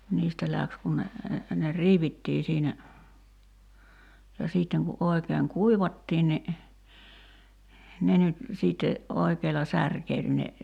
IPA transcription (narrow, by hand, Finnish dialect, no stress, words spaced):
niːstæ læks kun ne ne riːʋitːiː siːnæ jɑ siːtːeŋ ku ʔoi̞keːŋ kuiʋɑtːiːn ni ne nyt siːtːe ʔoikeːlɑ særkeil ne